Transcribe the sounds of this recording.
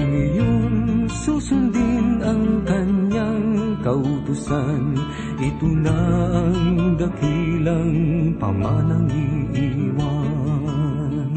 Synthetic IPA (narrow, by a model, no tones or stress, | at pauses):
ŋɐjoŋsusʊnd̪inʔɐŋkɐɲːaŋkɐʔʊt̪ʊsan | ʔɪt̪ʊlaʔɐŋd̪ɐkilɐŋpɐ̰manɐŋiʔiwa